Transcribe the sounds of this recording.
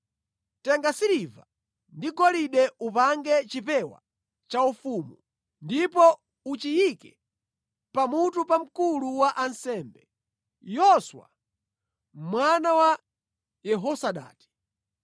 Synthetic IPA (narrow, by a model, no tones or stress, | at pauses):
tɛŋɡasiɾiva̰ | ndiɡɔliɗɛupaŋɡɛt͡ʃipɛwa̰ | t͡ʃaufumu | ndipɔ | ut͡ʃijikɛ | pamutupam̩kuluwaʔansɛːmbɛ | jɔswa̰ | mwanawa | jɛɦɔsaɗa̰ːti̥